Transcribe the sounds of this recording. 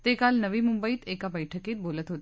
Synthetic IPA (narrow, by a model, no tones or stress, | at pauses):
t̪eːkaːlnɐʋimʊmbəit̪eːkabəjʈʰəkeːt̪̚boːlət̪ɦoːt̪ː